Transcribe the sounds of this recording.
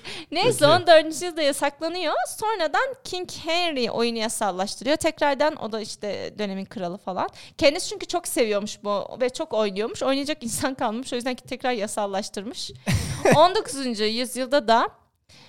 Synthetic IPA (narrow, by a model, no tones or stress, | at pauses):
nejsond̪øɾd̪ɯnd͡ʒjɯlˠd̪ajasaklˠanɯjo̞so̞nɾad̪ancʰiɲchɛnɾiʔo̞̰junujasalˠaʃt̪ʰɯɾɯjo̞t̪ʰɛcɾaɾd̪æno̞̰d̪aiʃt̪ʰɛd̪ø̞ne̞minkʰɯɾalˠɯfalˠa̰ncʰɛnd̪ist͡ʃʰyɲcyt͡ʃʰo̞kse̞vijo̞ɾmuʃbuvɛt͡ʃʰo̞ko̞jnˠujo̞ɾmuʃo̞jnajad͡ʒakinsankalˠmɯʃo̞jyzd̪æncʰi̥t̪ʰɛcɾaɾjasalˠaʃt̪ʰɯɾmɯʃ | o̞nd̪o̞kʰuzund͡ʒujyzjɯlˠd̪ad̪a